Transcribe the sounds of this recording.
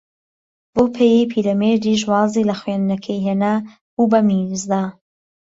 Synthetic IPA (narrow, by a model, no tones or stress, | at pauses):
boːpʰejejpʰilɐmed̪iʃ̬wɑːziːlɐxwend̪nɐkʰejɦena | bubɐmizd̪a